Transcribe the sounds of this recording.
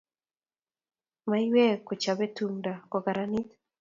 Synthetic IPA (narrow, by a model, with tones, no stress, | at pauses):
ma˦jwɛ˦ko˨t͡ʃa˨be˦tumda˨kɔ˨ɡa˨ɾa˨ni˦t̪